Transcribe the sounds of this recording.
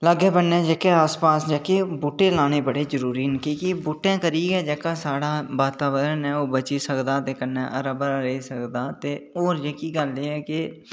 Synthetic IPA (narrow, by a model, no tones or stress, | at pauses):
ləɡeːbənːeːd͡ʒekeːaːspaːsd͡ʒəkeːbuːʈːẽːlaːñeːbəɽeːzəɾuːɾiːnkĩːkɪbuːʈːãːkəɾiːɡɛːd͡ʒɛːkaːsaːɽaːʋaːt̪aːʋəɾənɛːoːbət͡ʃiːsəkd̪aːt̪eːkənːɛːʔəɾəbəɾaɾeisəkd̪aːt̪eːoːɾd͡ʒeːkiːɡəlːeːɛːkɪ